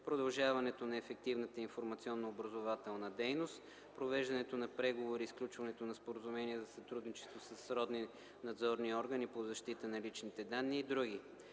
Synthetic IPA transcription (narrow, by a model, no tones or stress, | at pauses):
pɾod̪ɐlˠʒavɐnɛt̪onɐɛfɛk̚t̪ivnət̪əinfoɾmɐt̪siɔnːoːbɾɐzovat̪ɛlˠnəd̪ɛjnost̪ | pɾovɛʒd̪ɐnɛt̪onɐpɾɛɡovoɾisklʲut͡ʃvɐnɛt̪onɐspoɾəzumɛniɛzɐsɐt̪ɾud̪nit͡ʃɛ̥st̪vosəsɾɔd̪ni | nɐd̪zɔɾniɔɾɡənipozɐʃt̪it̪ənɐlit͡ʃnit̪ɛd̪anːiːd̪ɾuɡʲi